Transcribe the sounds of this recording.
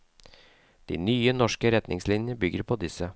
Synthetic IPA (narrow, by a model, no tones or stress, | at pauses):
d̪̥ḭːnyːənɔʂkəɾɛt̪nʔɪŋslɪnjəəbʏɡəɾpʰoːd̪ɪsə